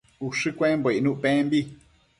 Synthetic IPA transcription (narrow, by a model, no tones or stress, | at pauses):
uʂɨkʷẽmboinũʔpẽmbi